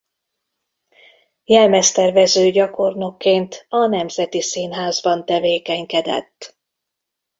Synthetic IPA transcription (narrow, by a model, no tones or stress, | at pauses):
jɛlmɛst̪ɛrvɛzøːɟɒko̞rno̞kːeːnt̪ɒnɛmzɛt̪isinɦaːzbɒnt̪ɛveːkɛɲkɛd̪ɛ̰t̪ː